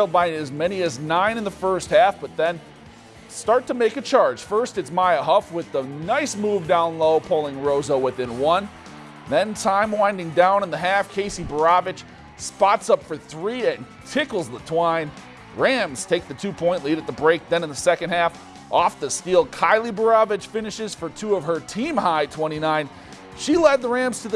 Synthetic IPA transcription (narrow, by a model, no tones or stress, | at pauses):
lˠbãɪ̃ɨzmɛñiɨznãɪ̃ñɨ̃nðəfɜ˞st̚hæfb̥ʌt̪̚ðɨ̃n | stɑɹtʰɨmeɪkɨt͡ʃʰɑɹd̥ʒ̥fɜ˞stɨtsmaɪɨɦʌfwɨðənaɪsmuvdãʊ̃nloʊpʰoʊlˠɪ̃ŋɹoʊzoʊwɨθɪ̃nwʌ̃n | ðɨ̃ntʰãɪ̃mwãɪ̃ndɪ̃ŋdãʊ̃nə̃nðɨɦæfkʰeɪsibə˞ɑvɨt͡ʃ | spɑtsʌpfə˞θɹiɨ̃n | tʰɪkl̩ˠzðətʰw̥ãɪ̃n | ɹæ̃mz̥tʰeɪk̚ðɨtʰʉpʰɔ̃ɪ̃nʔˡliɾɨt̪̚ðəbɹeɪk̚ðɨ̃nɨ̃nðəsɛkɨ̃nd̚hæf | ʔɔfðɨstilˠkʰaɪlˠibə˞ɑvɨt͡ʃfɪ̃nɨʃɨz̥fə˞tʰuʌv̥ə˞tʰĩmhaɪtʰw̥ɛ̃ɾ̃inãɪ̃n | ʃilɛd̪̚ðəɹæ̃mz̥tʰɨð